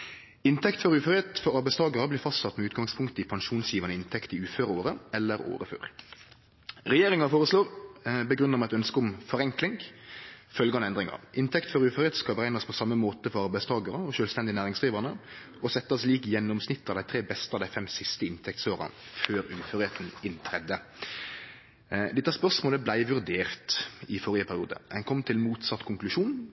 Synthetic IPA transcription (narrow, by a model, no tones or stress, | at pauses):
ɪnt̪ʰɛkt̪fɔɾʉːfœʁɪheːt̪fɔɾɑɾbæɪst̪ʰɑːɡɑʁəblɪːɾfɑst̪sɑt̪ːmɛʉːt̪̚ɡɑŋspʰʊŋkt̪ɪpʰɑŋʃuːnsjiːʋənəɪnt̪ʰɛkt̪ɪʉːføːɾoːɾəɛlːəɾo̰ːɾəfø̰ːʁ | ʁɛjeːɾɪŋɑfoːʁəsloːʁbəɡʁʉnəmɛɛt̪œnskəʊmfɔʁɛŋklɪŋ | fœlɡəɑnɛnd̪ʁɪŋɑ̰ɪnt̪ʰɛkt̪fɔɾʉːfœɾeːt̪skɑlbəʁæɪnɑspʰɔsɑmːəmoːt̪əfɔɾɑɾbæɪst̪ʰɑːɡɑɾəɔʃœːlst̪ɛnd̪ɪnæːʁɪŋsd̪ʁiːʋɑnə | ɔsɛt̪ːɑsliːkjɛnːɔmsnɪt̪ːɑd̪æɪt̪ʰɾeːbɛst̪əɑd̪æɪfɛmsɪst̪əɪnt̪ʰɛk̚t̪soːɾə̰føːɾʉːføɾɪeːt̪n̩ɪnt̪ʰʁɛd̪ːə | d̪ɪt̪ːəspœʁsmoːləblæɪʋʉɾd̪eːʁt̪ɪfɔɾɪəpʰæʁɪṵːd̪ə̰ɛnkʰɔmːt̪ʰɪlmuːt̪sɑt̪ːkʰʊŋklʉʃuːn